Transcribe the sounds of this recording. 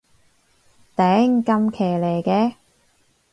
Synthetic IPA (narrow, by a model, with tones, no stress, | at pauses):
t̪ɛː˨˥ŋ˨kɐ˧mkʰeː˨˩leː˨˩kɛː˧